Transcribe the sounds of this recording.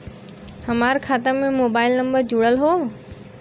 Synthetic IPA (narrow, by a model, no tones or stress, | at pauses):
hɐmaːɾkʰaːt̪əɾmẽmoːbaːɪlnə̃mbəɾd͡ʑʊɽəlɦoː